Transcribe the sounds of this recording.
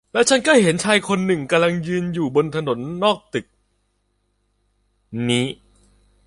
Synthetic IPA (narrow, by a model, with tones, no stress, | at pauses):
lɛː˦˥wt͡ɕʰa˦˥nkla˥˩jɦe˩˦nt͡ɕʰaː˧jkʰo˧nːɯ˨˩ŋka˧mla˧ŋjɯː˧njuː˨˩bo˧nt̪ʰa˧no˩˦nːɔː˥˩k̚t̪ɯ˨˩k̚ | niː˦˥